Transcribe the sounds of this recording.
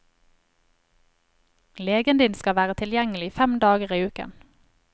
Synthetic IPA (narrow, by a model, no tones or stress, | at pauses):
leːɡənd̪ɪːnskɑʋæːʁət̪ʰɪljɛŋəlɪifɛmd̪ɑːɡəʁiːʉːkə̰n